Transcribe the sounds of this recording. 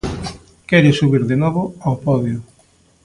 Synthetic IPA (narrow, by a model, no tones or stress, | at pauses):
kɛɾɪsuβiɾðenɔβoawpɔðjʊ